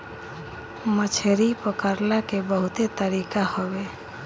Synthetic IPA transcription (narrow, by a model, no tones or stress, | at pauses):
mət͡ʃʰeɾipəkəɾlakebəɦʊt̪et̪əɾiːkahɔwe